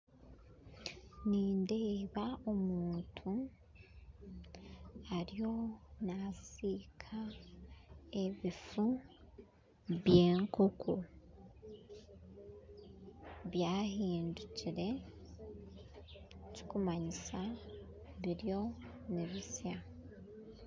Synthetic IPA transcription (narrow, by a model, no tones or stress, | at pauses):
niːnde̞ːβao̞muːntʰu | aɾjo̞nasiːkʰa | e̞βifu | βje̞ːŋkokʰu | βjaːhiːnduciɾe̞ | co̥kumaɲisa | βiɾjo̞ | niβisja